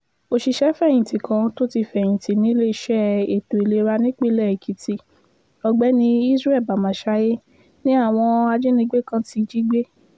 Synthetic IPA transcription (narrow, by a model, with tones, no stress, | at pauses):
o˧ʃi˧ʃɛ˦fɛ̃˦˨ĩ˨ti˨kʰã˧˦to˦ti˧fɛ̃˨ĩ˨ti˨nĩ˨˦le˦i˧˦ʃɛ˦e˨to˨i˨le˧ɾa˧nĩ˦k͡pe˦lɛ˦˨i˨kʰi˨˦ti˦˨ | ɔ˧ɡ͡bɛ˨˦nĩ˧i˦sɾɛ˦˨ba˨mã˨ʃa˦je˦ | nĩ˦a˦˨w̃ɔ̃˧a˧d͡ʒe˦nĩ˧˦ɡ͡be˦kã˦ti˧d͡ʒi˦ɡ͡be˦